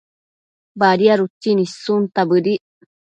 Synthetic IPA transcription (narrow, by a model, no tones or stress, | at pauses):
baɾiaɾut͡ʃːinisunt̪abɨɾiʔ